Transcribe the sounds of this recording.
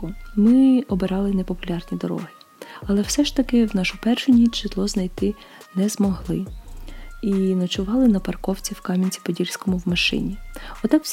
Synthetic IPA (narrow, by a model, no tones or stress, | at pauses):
mɪɔbɪɾɑlˠɪnɛpɔpʊlʲɑrnʲid̪ɔɾɔ̰ɦɪ | ɐlˠɛw̥sɛʃt̪ɐkɪwnɑʃʊpɛrʃʊnʲit͡ʃɪt̪lˠɔznɐjt̪ɪ | nɛzmɔɦlˠɪ | inɔt͡ʃʊʋɑlˠɪnɐpɐrkɔwt͡sʲiwkɑmʲinʲt͡sʲi̥pɔdʲilʲsʲkɔmʊwmɐʃɪ̰nʲiɔt̪ɑk